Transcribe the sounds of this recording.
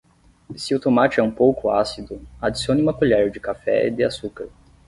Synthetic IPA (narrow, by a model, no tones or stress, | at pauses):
sɪʊt̪omat͡ʃɪɛũpowkʊasid̪ʊad͡ʒisiõnɪ̃mapuʎaɾʊd͡ʒɪkafɛ̰ɪ̰d̪ɪasukaɾ